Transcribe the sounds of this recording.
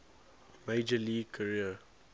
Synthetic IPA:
meɪd͡ʒəliːɡ̚kʰəɹiə

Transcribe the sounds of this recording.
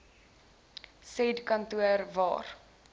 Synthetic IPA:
sɛdkɐntuərvɑ̰ːr

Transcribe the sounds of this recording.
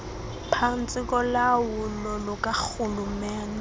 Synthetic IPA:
pʰan̩t͡sʼɪkʼɔlawʊlɔlʊkʼak͡xʊlʊmɛːna

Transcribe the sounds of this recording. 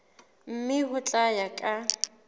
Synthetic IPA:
m̩mɪɦʊt͡ɬʼajakʼa

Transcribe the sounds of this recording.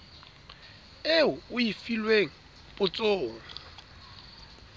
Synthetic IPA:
eʊʊifilweŋ̩ | pʼʊt͡sʼoːŋ̩

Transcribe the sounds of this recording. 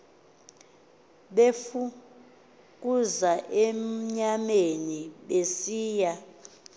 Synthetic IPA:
ɓefu | k̬ʼuzaʔem̩ɲameniɓesiːja

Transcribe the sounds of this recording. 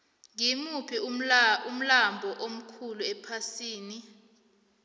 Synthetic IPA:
ŋimupʰium̩lambʱɔʔom̩kʰuluɛpʰasiːni

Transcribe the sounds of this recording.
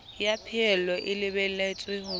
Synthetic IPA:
japʰɪɛlɔʔɪlɪβɛl̩laɪt͡sʼwɪhʊ

